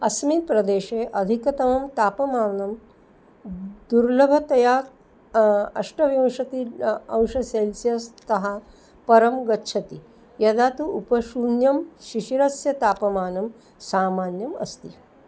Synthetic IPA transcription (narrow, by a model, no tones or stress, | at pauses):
ɐsmit̪pɾɐd̪eːʃeːʔɐd̪ʱikɐt̪ɐmɐmt̪aːpɐmaːnɐm | d̪uɾlɐbʱɐt̪ɐjaː | ɐ̰ʂʈɐʋjɐ̃w̃ʃɐt̪iɐ̃w̃ʃɐseːlsijɐst̪ɐɦɐ | pɐɾɐmɡɐtːʃʰɐt̪i | jɐd̪aːt̪uupɐʃuːnjɐmʃiʃiɾɐsjɐt̪aːpɐmaːnɐm | saːmaːnjɐmɐ̰st̪i